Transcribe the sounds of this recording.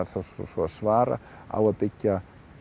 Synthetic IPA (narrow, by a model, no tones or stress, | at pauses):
aɾ̥θassvɔasvaːɾa̰ | a̰waðpɪcːa